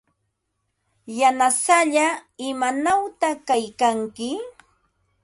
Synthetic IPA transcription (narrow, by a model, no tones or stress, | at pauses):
janasaʎaɪmanawt̪akajkaŋkɪ